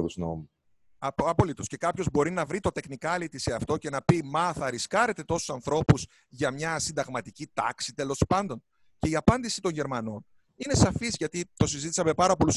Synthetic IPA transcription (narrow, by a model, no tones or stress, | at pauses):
ðuzno̰mu | ɐpo̞lit̪o̞sce̞kɐpço̞zbo̞ɾinɐvɾit̪o̞t̪e̞xnikɐlit̪iseɐft̪o̞ce̞nɐpimɐθɐɾiskɐɾe̞t̪e̞t̪o̞su̥sɐnθɾo̞puz | ʝɐmɲɐsind̪ɐɣmɐt̪icit̪ɐksit̪e̞lo̞spɐnd̪o̞n | ce̞iɐpɐnd̪isit̪o̞ɲʝe̞ɾmɐno̞n | ine̞sɐfizʝɐt̪it̪o̞sizit̪isɐme̞pɐɾɐpo̞lus